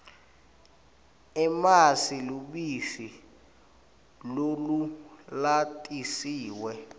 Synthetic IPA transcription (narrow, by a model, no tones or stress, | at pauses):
ɛmasiluɓisi | lolulatʼisiːwɛ